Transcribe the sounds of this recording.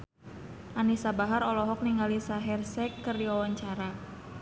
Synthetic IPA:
ʔanisabaɦaɾɔlɔɦɔk̚niŋɡalisaɦɛrsɛkːərdiwawaɲt͡ʃaɾa

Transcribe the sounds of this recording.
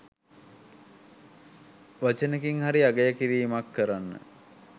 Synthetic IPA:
ʋat͡ʃənekiŋɦaɾiaɡəjəkiɾiːmakːəɾanːə̰

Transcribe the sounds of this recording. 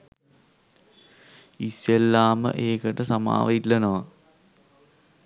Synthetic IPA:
isːelːaːmə̰ʔeːkəʈəsama̰ːʋɐilːɐnoʋa

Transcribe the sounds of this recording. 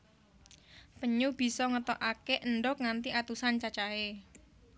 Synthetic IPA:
pəɲub̥i̤sɔŋət̪ɔʔakeʔənɖɔk̚ŋant̪iʔat̪usant͡ʃat͡ʃae

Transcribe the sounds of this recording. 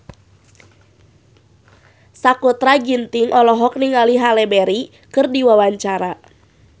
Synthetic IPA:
sakut̪ɾaɡint̪iŋʔɔlɔɦɔk̚niŋaliɦalɛbɛɾi | kɨrdiwawaɲt͡ʃaɾa

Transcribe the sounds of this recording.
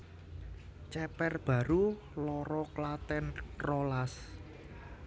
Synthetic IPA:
t͡ʃɛpɛrb̥ä̤ɾu | lɔɾɔklat̪ɛnrɔlas

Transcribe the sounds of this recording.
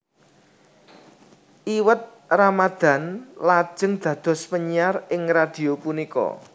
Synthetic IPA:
ʔiwət̪̚ | ramad̪̥a̤nlḁʒ̥ə̤ŋd̪̥ä̤d̪̥ɔ̤spəɲiarɪŋrad̪̥i̤opunikɔ̰

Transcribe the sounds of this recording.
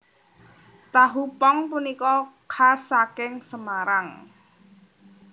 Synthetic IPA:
t̪aɦupɔŋpunikɔkʰasakɪŋsəmaɾaŋ

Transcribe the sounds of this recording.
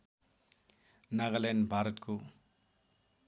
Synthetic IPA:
naɡalenbʱaɾʌt̪kʰo

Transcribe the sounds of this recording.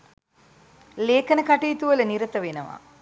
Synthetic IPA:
leːkənəkaʈiːt̪uʋələniɾət̪əʋenəʋa̰

